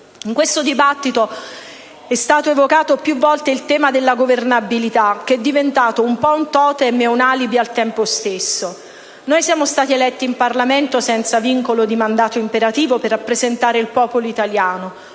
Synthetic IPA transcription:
iŋkwest̪od̪ibat̪ːit̪o | ɛst̪aːt̪oevokaːt̪opjuvːɔlt̪eilt̪ɛːmad̪elːaɡovernabilit̪ak̟ɛd̪ːivent̪aːt̪oumpɔunt̪ɔːt̪eɛmːɛunalibialt̪ɛmpost̪esːo | nojsjaːmost̪aːt̪ielɛt̪ːiːmparlament̪osɛnt̪saviŋkolod̪imand̪aːt̪oimpeɾat̪iːvoperːapːɾezent̪aːɾeilpɔːpoloit̪aljaːno

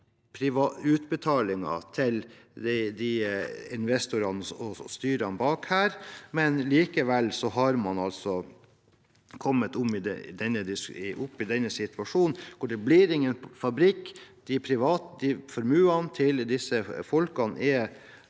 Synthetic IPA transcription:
pʰɾɪʋɑʉːt̪bɛt̪ʰɑːlɪŋɑ̰t̪ʰɪl | d̪ɛd̪iɪnʋɛst̪ʊɾɑnɔst̪yːɾɑnbɑːkhæːɾmɛnliːkəʋɛlsɔɦɑɾmɑnɑlsɔ | kʰɔmːət̪ɔmɪd̪ɛ̰d̪ɛnːəd̪ɪsʔʊpːɪd̪ɛnːəsɪt̪ʋɑʂuːnnkʊɖɛbliːɾɪŋːənfɑbɾɪkːd̪̥ɪpʰɾɪʋɑːt̪d̪ɪfɔɾmʉːɑnt̪ʰɪld̪ɪsːəfɔlkɑnɛ

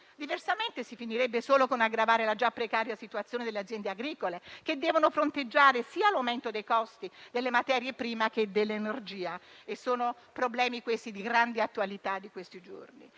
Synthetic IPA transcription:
d̪iversament̪esifiniɾɛbːesoːlokonaɡɾavaːɾelad͡ʒapːɾekaːɾjasit̪uat̪sjoːned̪elːead̪zjɛnd̪eaɡɾiːkoleked̪ːɛːvonofɾont̪ed͡ʒːaːɾesiːalawment̪od̪ejkɔst̪id̪elːemat̪ɛːɾjepɾiːmak̟ed̪elːenerd͡ʒiːaesːoːno | pɾoblɛːmikwest̪id̪iɡɾand̪iat̪ːualit̪ad̪ːikwest̪id͡ʒo̰rnḭ

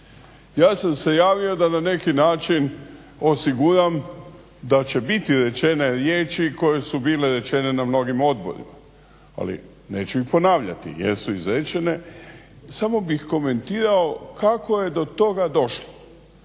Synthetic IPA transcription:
jaːsamse̞jaːʋio̞d̪anane̞kinaːt͡ʃin | o̞siɡuɾam | d̪at͡ɕe̞bit̪iɾe̞t͡ʃe̞ne̞ɾjeːt͡ʃiko̞je̞subiːle̞ɾe̞t͡ʃe̞ne̞namno̞ɡimo̞d̪bo̞̰ɾḭma̰ | a̰lḭ | ne̞ːt͡ʃuixpo̞naːʋʎa̰t̪ḭjḛsuizɾet͡ʃe̞ne̞ | samo̞bixko̞me̞nt̪iːɾao̞kako̞je̞d̪o̞t̪o̞ɡad̪o̞ʃlo

